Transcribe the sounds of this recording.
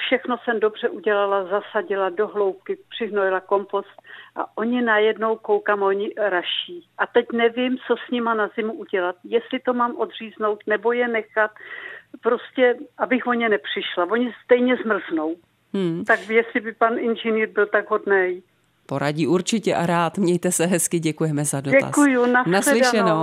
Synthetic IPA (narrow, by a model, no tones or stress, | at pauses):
fʃɛxno̞sɛmdo̞br̝ɛʔuɟɛlalazasaɟɪlado̞ɦlo̞wp̚kɪpr̥ɪɦnojɪlako̞mpo̞st̪̚ʔa̰ʔo̞ɲɪnajɛdno̞wko̞wkamoɲɪɾaʃiːʔat̪ɛcnɛvɪmt͡so̞sɲɪmanazɪmuʔuɟɛlat̪̚jɛst̪lɪt̪o̞maːmʔo̞d̪r̝iːzno̞wt̪nɛbo̞jɛnɛxat̪pɾoscɛʔabɪxvo̞ɲɛnɛpr̝̥ɪʃlavo̞ɲɪst̪ɛjɲɛzmr̩zno̞w | m̩t̪akjɛsɪbɪpanʔɪnʒɛniːɾbɪlt̪aɡɦo̞dnɛj | po̞ɾaɟiːʔuɾt͡ʃɪcɛʔaɾaːt̪mɲɛjt̪ɛsɛɦɛskɪɟɛkujɛmɛzadoɛa̰kujunanaslɪʃɛno